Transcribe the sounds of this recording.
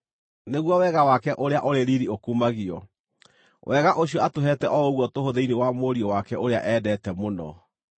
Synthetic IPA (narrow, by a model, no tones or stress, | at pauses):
neɣwɔwɛɣawakɛʔoɾeaʔoɾeɾiɾiokuːmaɣiɔ | wʔɛɣaʔoɕiɔatoɦɛtɛʔɔoɣwɔtohoðeinewamoɾiɔwakɛʔoɾea̰ʔɛdɛtɛmonɔ̰